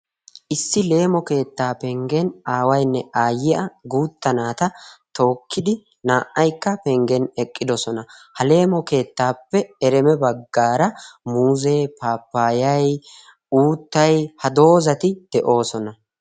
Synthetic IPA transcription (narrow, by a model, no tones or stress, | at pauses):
ʔɪsːɪle̞ːmɔke̞ːt̪ːaːpɛŋɡɛnaːwɐjnːɛʔaːjɪʔɐɡuːt̪ːɐnaːt̪ɐt̪o̞ːkʰːɪd̪ɪ | naːʔːɐjkːɐpɛŋɡɛnɛkʼːɪd̪ɔsɔnɐhɐle̞ːmɔke̞ːt̪ːaːpːɛɛɾɛmɛbɐɡːaːɾɐmuːze̞ːpaːpːaːjɐj | uːt̪ːɐjhɐd̪o̞ːzɐt̪ɪd̪̥ɛʔo̞ːsɔnɐ